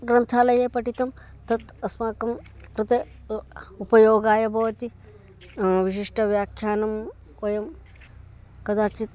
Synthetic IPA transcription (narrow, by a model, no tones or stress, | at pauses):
ɡɾɐnt̪ʰaːlɐjeːpɐʈit̪ɐm | t̪ɐt̪ɐsmaːkɐmkɾɨt̪ɐ | upɐjoːɡaːjɐbʱɐʋɐt̪i | ʋiʃiʂʈɐʋjaːkʰjaːnɐm | ojɐm | kɐd̪aːt͡ʃit̪